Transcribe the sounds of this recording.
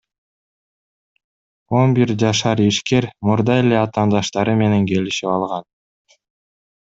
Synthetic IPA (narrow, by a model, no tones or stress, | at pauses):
o̞nbiɾd͡ʒɑʃɑɾiʃke̞ɾmuɾd̪ɑe̞le̞ɑt̪ɑːnd̪ɑʃt̪ɑɾɯme̞ne̞ŋke̞liʃipɑlˠʁɑn